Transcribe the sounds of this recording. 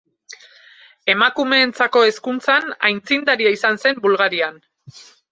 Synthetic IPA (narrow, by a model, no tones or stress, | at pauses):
e̞makume̞ːnt͡sako̞e̞skunt͡sanajnt͡sind̪aɾiaisanse̞mbulɣaɾian